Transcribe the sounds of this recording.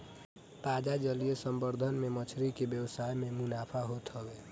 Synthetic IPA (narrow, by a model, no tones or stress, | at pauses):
t̪aːd͡ʒad͡ʒəlijesəmbəɾd̪ʱənmemət͡ʃʰɾikebjəwsaːjmẽmʊnaːpʰaɦot̪ɦəɡeː